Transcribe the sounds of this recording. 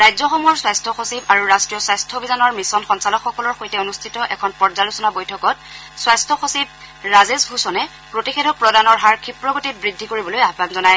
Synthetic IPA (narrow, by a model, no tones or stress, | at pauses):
ɹajzɔxɔmɔɹswajstʰɔxosibaɹuɹastɹijɔswajstʰɔbʱizanɔɹmisɔnxɔnsalɔkxɔkɔlɔɹxojtɛonustʰitɔʔɛ̰kʰɔnpɔɹzalusɔnabojtʰɔkɔt̚ | swajstʰɔxosib̚ | ɹazesbʱusɔnɛ | pɹotixedʱɔk̚pɹɔdanɔɹɦaɹkʰipɹɔɡotit̚bɹidʱːikoɹibɔlojaɦbanzɔnaj